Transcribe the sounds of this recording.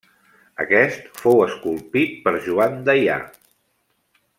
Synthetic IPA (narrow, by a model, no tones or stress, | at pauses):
ə̰kɛst̪fowəskulˠpit̪̚pəɾʒuand̪əja̰